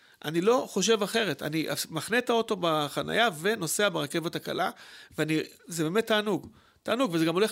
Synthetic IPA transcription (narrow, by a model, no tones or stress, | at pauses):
ʔa̰nilo̞χo̞ʃ̬e̞vaχe̞ʁeta̰niʔa̰maχnetaoto̞baχana̰jave̞no̞se̞abeʁake̞vetaka̰laveani | zebemet̪ːaːnuɡ | taːnuɡvezeɡamo̞le